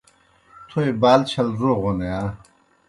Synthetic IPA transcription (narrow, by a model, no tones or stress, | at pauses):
t̪ʰoebaːlt͡ɕʰɐlzoʁonea